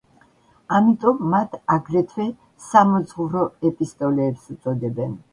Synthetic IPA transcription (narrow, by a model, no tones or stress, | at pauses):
amit̪ʼɔmːat̪ʰaɡɾɛt̪ʰwɛ | samɔd̪zʁuɾɔɛpʼist̪ʼɔlɛːpsut̪sʼɔd̪ɛbɛn